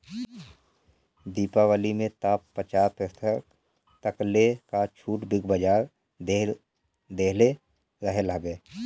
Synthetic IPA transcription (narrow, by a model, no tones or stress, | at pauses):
d̪iːpaʋaːlimẽt̪aːpːət͡ʃaːpɛsə | t̪əklekat͡ʃʰuːʈbɪɡbəd͡ʒaːɾ | d̪eːle | ɾəɦeləbeː